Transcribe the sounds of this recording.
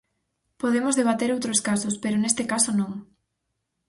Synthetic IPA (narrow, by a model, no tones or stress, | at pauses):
poðemozðeβ̞at̪eɾowt̪ɾoskasospeɾʊnest̪ɪkasonõŋ